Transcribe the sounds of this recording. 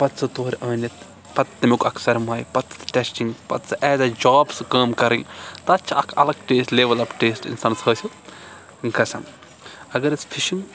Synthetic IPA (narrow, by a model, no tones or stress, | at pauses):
pɐt̪sʰɨt̪oːɾʲɐːnɐt̪ | pɐt̪ːɐmʲukɐkʰsɐɾmaːjpɐt̪sʰɨ̥t̪ʈʲɛsʈiŋɡpɐt̪sɨʔɛːzɐd͡ʒaːbskəːmkɐɾiŋt̪ɐɐt͡ʃʰiɐkʰɐ̰lɐk̚ʈeːsʈleːʋɐlɐpʈeːsʈḭnsaːnsɦəːsʲu | ŋkʰɐsɐm | ɐɡɐɾɐt͡sʰpʰiʃiŋɡ